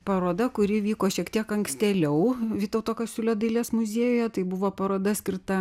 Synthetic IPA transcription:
pɐɾoːd̪ɐkʊɾʲɪʋʲiːkoːʃʲiɛkt̪ʲiɛkɐŋksʲt̪ʲɛlʲɛʊʋʲiːt̪ɐʊt̪oːkɐsʲʊlʲoːd̪ɐɪlʲeːsmʊzʲeːjoːjɛt̪ɐɪbʊʋoːpɐɾoːd̪ɐsʲkʲɪrt̪ɐ

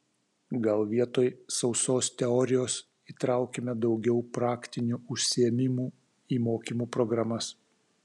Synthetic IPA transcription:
ɡɐlˠʋʲiɛt̪oːjsɒʊsoːst̪ʲɛɔɾʲɪjoːs | iːt̪ɾɑˑʊkʲemʲɛd̪ɒʊɡʲɛʊpɾɑːkt̪ʲɪnʲuːʊʃʲsʲɪɛmʲɪmuː | iːmoːkʲiːmuːpɾɔɡɾɐmɐs

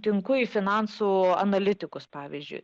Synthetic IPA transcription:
t̪ʲɪŋkʊiːfʲɪnɑnsuːɐ̰nɐlʲɪt̪ʲɪkʊspɑːʋʲḭzʲd͡ʒʲʊ̰ɪ

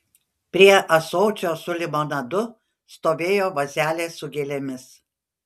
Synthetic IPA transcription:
pʲɾʲiɛʔɐsoːt͡ʃʲoːsʊlʲɪmoːnɐd̪ʊ | st̪oːʋʲeːjoːʋɐzʲæːlʲeːsʊɡʲeːlʲemʲɪs

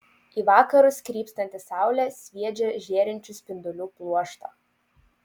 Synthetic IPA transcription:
iːʋɑːkɐɾʊskɾʲiːpst̪ɐnʲt̪ʲɪsɑˑʊlʲɛsʲʋʲiɛd͡ʒʲɛʒʲeːɾʲɪnʲt͡ʃʲʊsʲpʲɪnd̪ʊlʲuːplˠuɔʃt̪ɐ

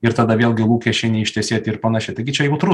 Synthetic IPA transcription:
ɪɾt̪ɐd̪ɐʋʲeːlʲˠɡʲɪlˠuːkʲɛʃʲɛɪnʲɛɪʃʲt̪ʲɛsʲiɛt̪ɪɾpɐnɑʃʲɪt̪ɐɪɡʲɪt͡ʃʲɛjɛʊt̪ɾu

